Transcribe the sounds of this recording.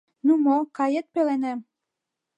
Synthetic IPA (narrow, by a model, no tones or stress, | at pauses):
numokɑjet̪̚pelenĕ